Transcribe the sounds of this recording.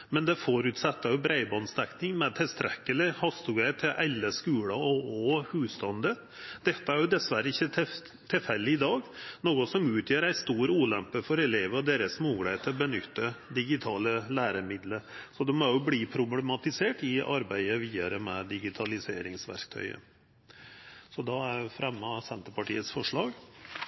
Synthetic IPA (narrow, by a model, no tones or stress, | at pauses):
mɛnd̪ɛfoɾʉt̪sɛt̪ːɑjʊbɾæɪbɑnst̪ɛknɪŋmɛt̪ʰɪlst̪ʰɾɛkːəlɪhɑst̪ʊɡæɪt̪ʰɪlʔælːəskʉːlɑɔɔhʉːst̪ɑnd̪ə | d̪̥ɛt̪ːəæɾjʊd̪ɛsʋæɾəɪçːə | t̪ʰɪlfɛlːɪɪd̪ɑːɡnoːɡɔsɔmʉːt̪ʰjøːɾæɪst̪uːɾuːlɛmpəfɔɾɛleːʋəɾɔd̪eːɾəsmuːɡlæt̪ʰːɪɔbənʏ̰t̪ːəd̪ɪɡɪt̪ʰɑːləlæːɾəmɪd̪ləɾsɔd̪ɛmɔjʊbliːpʰɾʊblɛmɑt̪ɪseːʈɪʔɑɾbæɪəʋiːɑɾəmɛd̪ɪɡɪt̪ʰɑlɪseːɾɪŋsʋæ̰ɾkt̪ʰœ̰ʏə̰ | sɔd̪ɑæɾfɾɛmːəsɛnt̪əɾpɑʈḭːət̪sfɔʂɭɑːɡ